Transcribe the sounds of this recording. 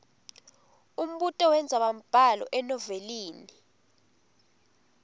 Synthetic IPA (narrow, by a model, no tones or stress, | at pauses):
um̩ɓutʼɔwɛnd͡zʱaɓam̩b̥ʱalɔ̰ʔɛnɔveliːni